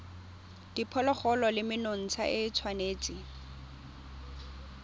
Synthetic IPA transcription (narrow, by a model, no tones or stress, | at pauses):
d̥ipʰɔlɔχɔlɔlɪmɪnon̩t͡sʰa̰ʔɪt͡sʰwaneːt͡sʼɪ